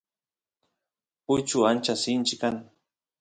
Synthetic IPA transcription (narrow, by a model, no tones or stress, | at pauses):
pʊjt͡ʃʊant͡ʃasɪnt͡ʃɪkaŋ